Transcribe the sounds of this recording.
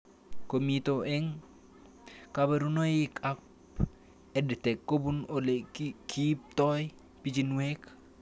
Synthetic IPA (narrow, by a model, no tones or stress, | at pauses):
komitoʔɛŋ | kabaɾunojɪkapp | ɛdtɛkːobunolekʰip̚t̪ɔj | pit͡ʃinwɛk